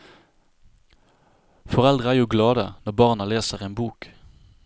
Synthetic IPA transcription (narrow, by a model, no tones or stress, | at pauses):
fɔʁɛld̪ʁəæːʁjuːɡlɑːd̪ənɔbɑːʁnəleːsəʁeːnbuːk